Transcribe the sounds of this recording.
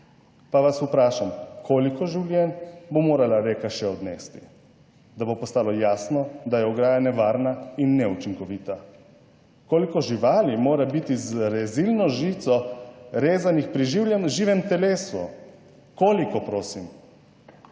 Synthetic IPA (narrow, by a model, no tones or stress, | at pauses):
paʋasupɾaːʃamkʰoːlikɔʒiwlʲjɛnbomoːɾalaɾeːkaʃɛɔd̪nɛst̪i | d̪abopɔst̪aːlɔjaːsnɔd̪ajɛɔɡɾaːjanɛʋaːɾnainːɛut͡ʃiŋkɔʋiːt̪a | koːlikɔʒiʋaːlimoːɾabit̪izɾɛzilnɔʒiːt̪sɔɾeːzanixpɾiʒiːwljɛnʒiːʋɛmt̪ɛleːsṵ | koːlikɔpɾoːsim